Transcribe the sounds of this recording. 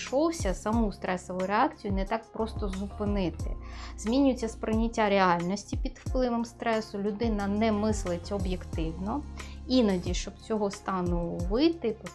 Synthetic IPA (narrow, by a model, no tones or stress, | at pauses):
ʃɔwsʲɐsɐmust̪ɾɛsɔʋʊjʊɾeɑkt͡sʲijʊnɛt̪ɑk̚pɾɔst̪ɔzʊpɪnɪt̪ɪ̰z̥mʲinʲʊjet͡sʲːɐspɾɪnʲɪtʲːaɾeɑlʲnɔsʲtʲipʲid̪wplˠɪʋɔmst̪ɾɛsʊlʲʊd̪ɪnɐnɛmɪslˠɪtʲɔbjekt̪ɪwnɔinɐdʲiʃt͡ʃɔbt͡sʲɔɦɔst̪ɑnʊʋɪt̪ɪpɔ